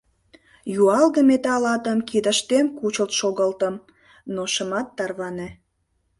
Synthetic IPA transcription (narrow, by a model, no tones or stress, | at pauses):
juɑlɣəmet̪ɑlɑt̪əmkid̪ə̆ʃt̪emkut͡ɕəlt̪ʃoɣəlt̪ə̆m | noʃəmɑt̪ːɑrβɑne